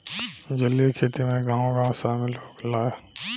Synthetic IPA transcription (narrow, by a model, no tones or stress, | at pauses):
d͡ʒəlekʰeːt̪imẽɡãːõɡãːõsaːmɪloːɡlaːe